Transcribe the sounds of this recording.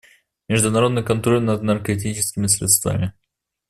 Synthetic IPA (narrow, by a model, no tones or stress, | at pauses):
mʲɪʐd̪ʊnɐɾo̞d̪nɨjkɐnt̪ɾo̞lʲnəd̪̚nərkɐt̬ʲit͡ɕɪ̥skʲɪmʲɪslʲḛt̪st̪va̰mʲɪ